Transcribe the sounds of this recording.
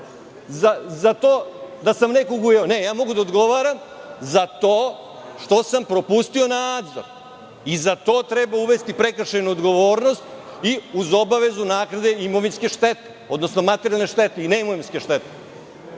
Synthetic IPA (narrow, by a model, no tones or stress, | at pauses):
zazat̪od̪asamnekoɡujeone̞jaːmo̞ɡud̪aod̪ɡo̞ʋaɾam | zat̪oː | ʃt̪o̞sampɾo̞pust̪io̞naːd̪zo̰ɾ | izat̪o̞ːt̪ɾebauʋe̞st̪ipɾekr̩ʃenuod̪ɡo̞ʋoːɾno̞st̪iuzo̞baʋe̞zunaːknad̪e̞imoʋinske̞ʃt̪et̪eo̞d̪no̞snomat̪eɾijalne̞ʃt̪et̪eineimoʋinskʲeʃt̪et̪e̥